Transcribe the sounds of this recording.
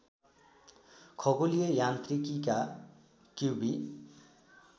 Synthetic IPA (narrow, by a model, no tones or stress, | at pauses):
kʰʌɡolijʌjant̪rikika | kuwbi